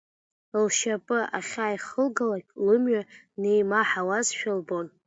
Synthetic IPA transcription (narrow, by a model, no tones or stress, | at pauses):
lʃapʼɨʔaχʲaːjχəlɡalakʲʼlɨmɥa | nejmaħawazʃᶣɪlbo̞n